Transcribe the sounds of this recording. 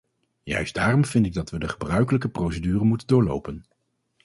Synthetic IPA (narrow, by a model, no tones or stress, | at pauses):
jœ̰ɥsdaːrɔmvɪndɪɡ̚dɑtʋədəχəbrœɥkələkəprowsedyːrənmutəndʊːɹlo̰wpən